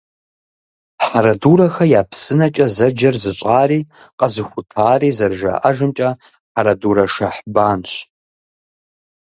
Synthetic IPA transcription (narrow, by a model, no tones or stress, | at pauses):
ħaɾɐduːɾɐxɐjaːpʰsɨnɐt͡ʃʼɐzɐd͡ʒɐrzɨɕʷʼaːriːqʼɐzɨxʷʊtʰaːriːzɐrʒa̰ʔɐʒɨmt͡ʃʼɐ | ħaɾɐduːɾɐʂɐħbaːnɕʷ